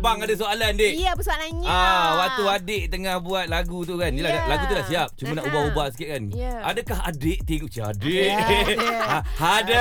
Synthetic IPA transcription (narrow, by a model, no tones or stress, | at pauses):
baŋadasoalandeʔapəsoalaɲawak̚t̪uadɪʔt̪əŋahbuat̪̚laɡut̪ukannilaalaɡut̪udaʔsiap̚t͡ʃumanaʔubahubahsi̥kiʔ̚kanʔadakaɦadɪʔt̪iɡuʔt͡ʃaa̰deʔ | ahada